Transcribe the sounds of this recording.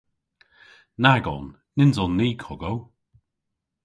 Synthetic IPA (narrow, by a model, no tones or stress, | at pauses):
naɡɔ̰nː | ɪnzɔnːiːkʰʊɡow